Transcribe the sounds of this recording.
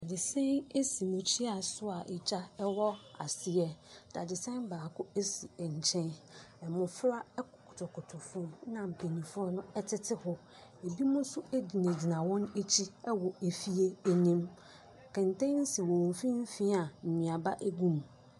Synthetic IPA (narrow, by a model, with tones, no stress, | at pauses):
da˨dɪ˨sɛ̃˦ne˦si˨mʊ̃˨t͡ɕʰi˦a˨sʊ˦a˨ʔɛ˨t͡ɕʰa˦ɛ˦wɔ˦a̰˨sɪ˨ɛ˦d̥a˨dɪ˨sɛ̃˦nbaː˨kʊ˦e˦si˨ɛ˨ɲ̩˨t͡ɕʰɛ̃˦nɛ˨mʊ̃˨fɾa˦ɛ˦kkʰʊ˨tʰʊ˨kʰʊ˨tʰʊ˨fʊ̃˦m˦nã˨m̩˨pʰe˨nĩ˨fʊ˦ɾɔ˦nʊ̃˦ɛ˦tʰɪ˦tʰɪ˦hʊ˦ | e˨bi˦mʊ̃˦sʊ˦e˦di˨nẽ˨d͡ʑi˨nã˨wɔ̃˦ne˦t͡ɕʰi˦ɛ˦wɔ˨e˨fi˦e˦æ˨nĩ˦m | kʰɛ̃˨ntɛ̃˦n̩˦si˨wɔ̃˨w̃fĩ˦n̩˦fĩ˦a˨m̩˨mĩ˨a˨ba˦ʔe˦ɡũ˦m